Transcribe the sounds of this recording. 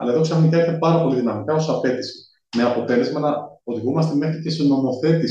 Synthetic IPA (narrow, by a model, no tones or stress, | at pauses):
ɐ̰lɐe̞ðoksɐfnit̪eɾt̪epɐɾɐpo̞liðinɐmikɐo̞sɐpe̞t̪ise̥ | me̞ɐpo̞t̪e̞le̞zmɐnɐo̞ðiɣumɐst̪e̞me̞xɾicest̪ono̞mo̞θe̞t̪i